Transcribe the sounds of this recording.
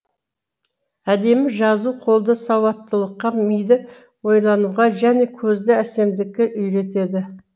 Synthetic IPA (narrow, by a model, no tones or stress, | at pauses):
æd̪e̞mɪʒɑzuqʰo̞lˠd̪əsɑwɑt̪ːəlˠəqːɑmijd̪ɪ | wo̞jlˠɑnuʁɑʒæne̞kʲʰɵzd̪ɪæse̞md̪ɪkʲːɪʔʏjɾe̞t̪e̞d̪ɪ